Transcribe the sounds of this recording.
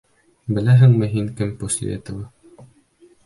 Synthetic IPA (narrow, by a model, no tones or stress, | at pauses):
bɘ̆læɦɘ̆ŋmɘɦiŋkɘmposʲḛt̪ɤ̆wɤ